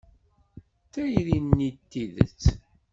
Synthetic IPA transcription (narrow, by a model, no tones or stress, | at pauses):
θæjɾinːit̪ːiðə̰t͡sː